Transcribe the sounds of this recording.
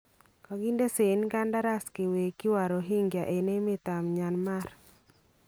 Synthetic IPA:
kɔ˨ɡi˦nde˦se˨nka˦nda˦ɾa˦skɪ˨we˨kɪ˦wa˨ɾo˨ɦi˦ŋɡja˨ʔe˨ne˦mɪ˦t̪a˨mɲa˨nma˦r

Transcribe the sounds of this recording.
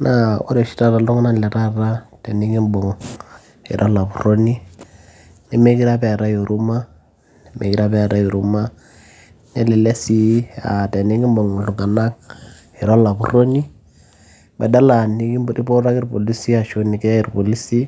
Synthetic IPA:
na˦o̰˦ɾɛ˨ʃi̥˦ta˦ɾa˨lɔ˦ŋna˦˨lɛ˨ɾa˦ɾa˦tɛ˨ni˦ɡi˦mbɔ˨ŋ | ḭ˨ɾʔɔ˦la˨pu˨ro˦ni˦ | nɛ˦me˦ki˦ɾa˦pɛ˦a˨ɾa˦ju˨ɾu˦ma˦ | mḛ˨ki˦ɾa˦bɛ˦a˨ɾa˦ju˨ɾu˦ma˦ | nɛ˦lɛ˨lɛ˦si˦a̰˨tɛ˨ni˦ɡi˦mbɔ˨ŋ˨ɬu˨ŋɡa˨na˦k̚ | i˨ɾɔ˦la˨bu˨ɾo˦ni˦ | bɛ̰˨da˦la˨ni˦ki˦ɾi˦po˦ɾa˦ki˦ɾpo˨li˦si˦a˨ʃo˦ni˨kɛ˦a˦i˨ɾpo˨li˦si˦

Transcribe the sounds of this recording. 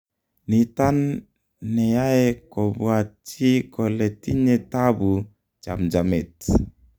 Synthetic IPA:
ni˨ta˦nː | ɛ˨ja˦e˦kɔ˨bwa˨t͡ʃi˦kɔ˨le˨ti˦ɲe˦tabu˨ | t͡ʃa̰˨md͡ʒa˨mɛ˨t

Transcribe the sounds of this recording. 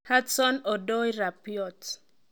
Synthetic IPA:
hatsɔ˦nɔ˨dɔ˦jɾa˨pjɔt

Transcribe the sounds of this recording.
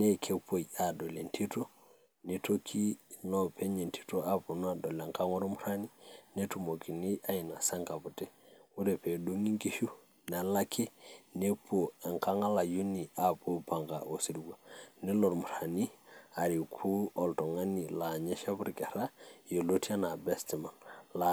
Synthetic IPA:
ne˦kʰe˦pʰo˨ja˨do˨le˨ntʰi˦to˦ | ne˦to˦kʰi˦nɔ˦pʰe˦ɲe˨ntʰi̥˦to˦a˦po˨nɔ˦a˨dɔ˨la˨ŋka˦ŋɔ˦ɾmu˦ɾa˦ni˦ne˦tu˨mo˨ki˨ni˦ʔa˦i˨na˨sa˦ŋka˨pu˨tɛ˦u˦ɾɛ˨pe˨du˦ŋi˦ŋki˦ʃu˦ | na˨la˦kʰe˦ne˦pʰo˨ɛ˨ŋka˦ŋa˦la˨ju˦ni˨a˦po˦pa˨ŋɡa˨ʔo˨si˨ɾɡa˨nɛ˦lɔ˨ɾmu˨ɾa˨ni˦a˨ɾi˨kʰu˦ɔ˨ltɔ˨ŋa˦ni˨la˨ɲe˦ʃa˦buɾkɛ˨ɾa˦je˨lo˦ti˦a˦na˨bɛ˦sti˨ma˨nla˨

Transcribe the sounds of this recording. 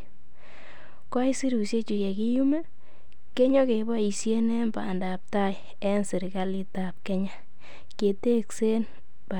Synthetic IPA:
ka˦jsi˦ɾu˨sje˦t͡ʃu˨je˨ki˦ju˦mɛ˦ | ke˦ɲɔ˦ke˨ba˦i˨sje˦ne˦mba̰˨nda˨p̚ta˦j | ɛ˦nsɪ˨ɾɡa˦li˦ta˨p̚ke˦ɲa˦ | ke˨te˦kse˦n | b̥a˨

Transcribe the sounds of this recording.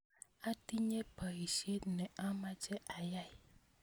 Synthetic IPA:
a˦t̪i˦ɲɛ̃˦pɛ˨i˨ʃi˦e˦nɛ̃˨ã˦mã˦t͡ʃɛ˦ʔa˨ja˦˨i˨

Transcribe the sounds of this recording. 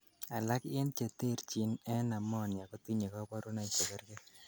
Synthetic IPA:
a˨la˦kɪ˦nt͡ʃe˨te˦˨ɾt͡ʃi˨nɛ˦na˨mɔ˦˨nja˨ko˦ti˦ɲe˨kɔ˦pɔ˦ɾo˦na˨t͡ʃe˨kɛ˦ɾkɛ˦

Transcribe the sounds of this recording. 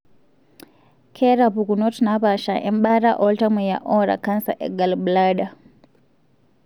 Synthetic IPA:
kʰe˦ɾa˨pu˨ku˨no˦tna˦pa˨ʃa˨ʔɛ̰˦mɓa˦ɾa˦ʔɔlta˦mu˨ja̰˨ʔɔ˦ɾa̰˨ka˦nsa̰˨ʔɛ̰˨ɡa˨lbla˦ɗa˨

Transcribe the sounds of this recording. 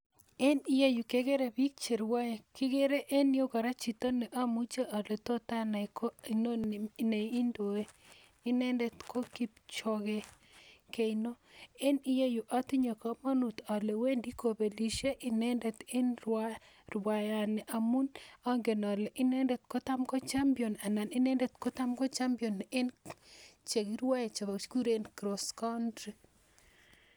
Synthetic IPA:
e˦ni˦je˦ju˨ke˦ɡe˦ɾe˨bi˦k̚t͡ʃe˨ɾwa˦ja˨kɪ˦ɡe˦ɾe˦ʔe˦ni˦o˦kɔ˨ɾa˦t͡ʃi˨t̪o˦ne˨ʔa˦mu˦t͡ʃe˦ʔa˨le˨to˦ta˦na˨kʰo˦i˨no˦ne˨i˦ndo˨e˦ | i˦ne˦nde˨t̪kʰo˦ki˦pt͡ʃo˨ɣe˨ | ke˨ino˦e˦ni˦je˦ju˨ʔa˦t̪i˦ɲo˨ka˨ma˦nu˨t̪ɔ˨le˨we˦ndi˦ko˨be˨li˨ʃe˦ʔɪ˦nɛ˦ndɛ˨t̪e˦nɾwa˦ | ɾwa˨ja˨nɛ˨ʔa˨mu˦nɔ˦ŋɡe˨nɔ˨lɛ˨ʔɪ˦nɛ˦ndɛ˨t̪̚ko˦t̪a˦mkɔ˦t͡ʃa˦mpio˨na˨na˨nɪ˦nɛ˦ndɛ˨t̪ko˦t̪a˦mɡɔ˦t͡ʃa˦mpiɔ˨ne˦n | t͡ʃe˨ki˦ɾwa˦e˨t͡ʃa˨bsku˦ɾe˦nkɾo˨skɔ˦ndɾe˨

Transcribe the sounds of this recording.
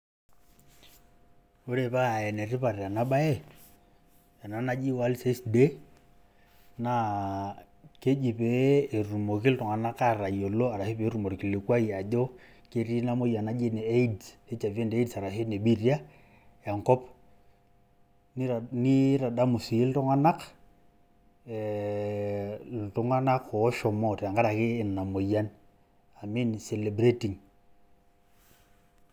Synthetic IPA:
o˦ɾe˨pa˦a˨ɛ˨nɛ˨ɾi˦pa˨ɾa˨na˦ɓa˦ɛ˦ | ja˨na˨na˦d͡ʒi˦wa˦lse˦sde˦ | na˨ | ke˦d͡ʒi˨pɛː˨˦˨ɾu˨mɔ˨ki˦ltɔ˨ŋa˨na˦ka˦ɾa˨jɔ˨lɔ˦a˨ɾa˨he˦pɛ˨˦ɾu˨mɔ˨ɾi˨ki˨li˨kwa˦i˨a˨ʄɔ˦ | ke˨ɾi˦na˦mo˦ja˨na˦d͡ʒe˦nɛ˨ɛ˦i˦dse˦t͡ʃa˨ve˦nde˦dsa˨ɾa˨ɦe˦ne˨ɓi˦rja˦ | ja˨ŋkɔ˦p | nɪ˦ɾa˨da˦mu˨si˨e˦ltɔ˦ŋa˦na˦k | ltʊ˦ŋa˦na˦ko˨˦ʃɔ˨mɔ˦tja˨ŋɡa˦ɾa˨kɪː˦˨na˨mo˨ja˦n | a˨mi˦nsɛ˨le˨bɾe˦ti˨ŋ

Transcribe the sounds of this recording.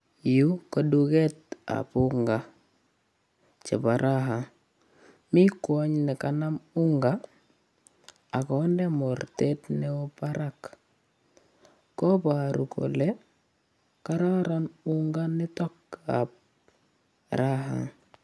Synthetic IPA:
ju˦ko˨dukɛ˦ta̰˨puŋɡa | t͡ʃɛ̰˨paɾʔaɦaŋ | mi˦kwa˦ɲnɛ˨kana˦muŋɡa˨ | kɔ˨ndɛ˦mɔɾte˦tnɛ˦ɔpaɾak | kɔ˦paɾu˨kɔ̰˨lɛ | ka˦ɾa˦ɾanuŋɡa˦nɪ˦tɔ˦ka̰p̚ | ɾaɦa̰ŋ

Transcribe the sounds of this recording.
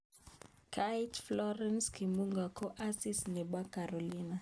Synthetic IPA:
kʰajtflɔɾɛnskimu˦ŋɡa˨kɔ˦ʔa˦si˦snɛ˨ɓwa˦kaɾɔ˨lina˨

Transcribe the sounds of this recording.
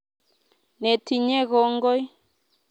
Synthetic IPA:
ne˨tʰi˨ɲɛ˦ɣɔ˨˦ŋɡɔ˦j

